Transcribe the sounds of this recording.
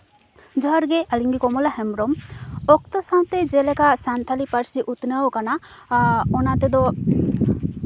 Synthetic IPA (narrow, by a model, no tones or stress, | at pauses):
d͡ʒɔɦaɾɡɛʔaliŋɡikɔmɔlaɦɛmɾɔmɔkt̪ɔsaw̃t̪ɛd͡ʒɛlɛkasant̪ʰalipaɾsiʔut̪nawkana | ɔnat̪ɛd̪ɔ